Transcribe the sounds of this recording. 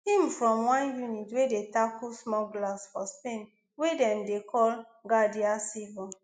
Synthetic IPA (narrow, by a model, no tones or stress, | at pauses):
hĩmfɹɔ̃mwãnjunitwedetakusmɔɡlasfɔspẽn | wedɛ̃mdekʰɔl | ɡadiasivɔ̃